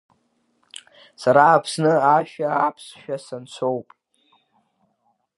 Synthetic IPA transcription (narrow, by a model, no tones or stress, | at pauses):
saɾaːpʰsnɨaʃᶣaapʰsʃᶣasant͡sʷʰo̞wpʼ